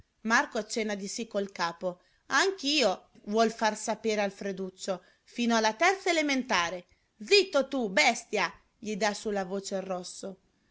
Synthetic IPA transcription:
markoat͡ʃːɛnːad̪isikːolkaːpo | aŋk̟iːo | vwɔlfarsapeːɾealfɾed̪ut͡ʃːo | fiːnoalːat̪ɛrt̪saelement̪aːɾe | d̪zit̪ːot̪ubɛst̪ja | ʎid̪asulːavoːt͡ʃerːɔsːo

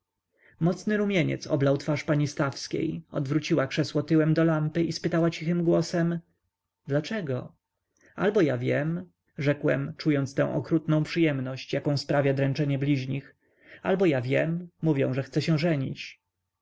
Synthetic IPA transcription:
mɔt̪snɘɾumʲjeɲɛ̰t̪sɔ̰blawt̪faʂpaɲist̪afskʲḛjɔ̰d̪vɾut͡ɕiwakʂɛswɔt̪ɘwɛmd̪ɔlampɘispɘt̪awat͡ɕixɘmɡwɔsɛm | d̪lat͡ʂɛɡɔ | albɔjavʲjɛm | ʐɛkwɛ̰mt͡ʂujɔnt̪st̪ɛ̃w̃ʔɔ̰kɾut̪nɔ̃w̃pʂɨjɛmnɔɕt͡ɕjakɔ̃w̃spɾavʲjad̪ɾɛ̃nt͡ʂɛɲɛblʲiʑɲix | albɔjavʲjɛmːuvʲjɛ̰̃w̃ʐɛxt̪sɛɕɛ̃ʐɛɲḭt͡ɕ

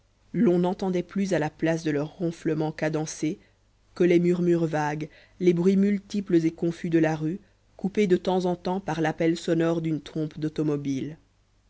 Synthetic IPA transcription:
lɔ̃nɑ̃t̪ɑ̃d̪ɛplyzalaplas̬d̪əlœʁːɔ̃fləmɑ̃kad̪ɑ̃se | kəlɛmyʁmyʁvaɡ | lebʁɥimylt̪ipləzekɔ̃fyd̪əlaʁy | kuped̪ət̪ɑ̃zɑ̃t̪ɑ̃paʁlapɛlsɔnɔʁd̪ynt̪χɔ̃pd̪ot̪ɔmɔbil

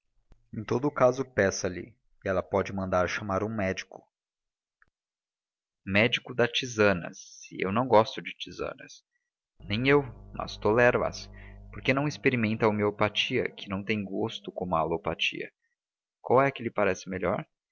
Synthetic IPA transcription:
ẽj̃t̪od̪ʊkazʊpɛsɐlɪ̰ | kɪɛlɐpɔd͡ʒɪmɐ̃nd̪aɾʃɐmaɾũmɛd͡ʒikʊ̥ | mɛd͡ʒikʊd̪ɐt͡ʃizɐ̃nɐ̰sːɪ̰ʔḛwnɐ̃w̃ɡɔst̪ʊd͡ʒɪt͡ʃizɐ̰̃nɐ̰s | nẽj̃ewmɐ̰st̪olɛɾʊɐ̰spoɾkenɐ̃w̃ispeɾimẽnt̪ɐomeopat͡ʃiɐ̰kɪnɐ̃w̃t̪ẽj̃ɡost̪ʊkõmʊalopat͡ʃḭɐ̰ | kwawɛkɪlɪpaɾɛsɪmeʎɔ̰ɾ

